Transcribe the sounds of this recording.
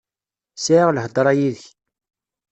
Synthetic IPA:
saʕʁləhəd̪ˤɾˤɑjiðəç

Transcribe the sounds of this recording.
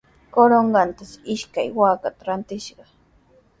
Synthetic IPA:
koɾoɴɢɑnt̪asɪʃkajwaːkat̪aɾant̪ɪʃɢɑ

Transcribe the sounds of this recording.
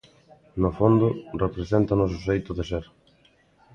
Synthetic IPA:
nʊfond̪ʊrepɾesent̪ɐnʊs̬oʃejt̪ʊðeʃeɾ

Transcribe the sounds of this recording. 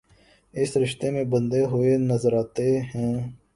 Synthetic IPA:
ɪsɾɪʃt̪emẽbə̃nd̪eɦʊenəzəɾaːt̪eɦɛ̃ː

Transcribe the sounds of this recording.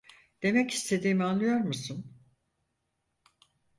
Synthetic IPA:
d̪̥e̞mɛci̥st̪ʰe̞d̪iːmianlːˠɯjo̞ɾmusun

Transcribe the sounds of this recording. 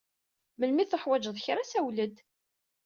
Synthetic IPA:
məlmiθəħwæd͡ʒəðˤçɾæsæwləd̪

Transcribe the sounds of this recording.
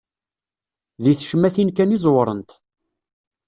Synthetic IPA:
ðiθʃəmːæθinkænizˤwɾˤə̰nt̪

